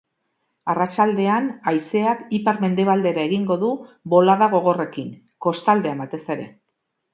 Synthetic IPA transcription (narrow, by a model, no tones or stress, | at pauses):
arat͡ʃald̪e̞anajse̞akipaɾme̞nd̪e̞β̞ald̪e̞ɾae̞ɣiŋɡo̞ðubo̞laðaɣ̞o̞ɣ̞o̞re̞kiŋ | ko̞st̪ald̪e̞ambat̪e̞se̞ɾe̞̰